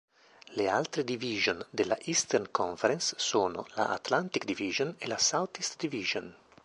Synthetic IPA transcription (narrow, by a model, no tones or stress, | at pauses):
lea̰lt̪ɾed̪iviʒond̪ela̰ʔist̪ɛrnkʰoɱfeɾɛnsːoːno̰la̰ʔa̰t̪lant̪ikd̪iviʒonelasawt̪ist̪d̪iviʒon